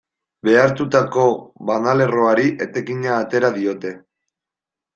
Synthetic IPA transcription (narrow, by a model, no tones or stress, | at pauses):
be̞aɾt̪ut̪ako̞βanale̞roaɾiʔet̪e̞kiɲaːt̪e̞ɾaðio̞t̪e̞